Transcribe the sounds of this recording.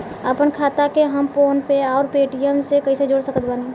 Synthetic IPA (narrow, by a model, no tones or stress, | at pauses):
əpənkʰaːt̪akeɦəmpoːnpeɔːɾpeːʈijəmsekɐised͡ʒoːɽsəkət̪̚baːni